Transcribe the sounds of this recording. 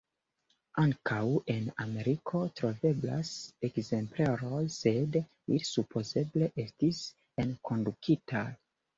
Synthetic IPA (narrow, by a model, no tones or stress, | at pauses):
aŋkʰawe̞na̰me̞ɾikʰo̞tɾo̞ve̞bla̰sekze̞mpleɾojse̞d | ilsupʰo̞ze̞ble̞ʔe̞stis | enkʰo̞ndukʰita